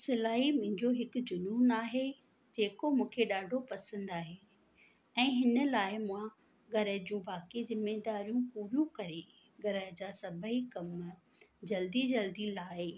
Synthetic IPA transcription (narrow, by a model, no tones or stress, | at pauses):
sɐlaːɦimʊ̃ɦɪ̃ɲd͡ʑoɦɪkʊ̆d͡ʑʊnuːnaːɦe | d͡ʑeːkomũːkʰeɗaːɖʱopɐsə̃nd̪aːɦeː | ɛ̃ːɦɪnə̆laːɪmʊ̃ã | ɡɐɾəɦd͡ʑũːbaːkizɪmed̪aːɾijũpuɾjũkɐɾe | ɡɐɾəɦd͡ʑaːsɐbʱəikɐm | d͡ʑɐld̪id͡ʑɐld̪ilaːɦeː